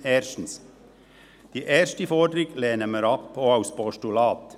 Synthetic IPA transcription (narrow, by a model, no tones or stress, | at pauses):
eːɾʃn̩s | d̪̥iːʔeːɾʃtifɔd̪ɾɪɡleːnəməɾɑpoːaʊspɔʃtʊlɑːt̪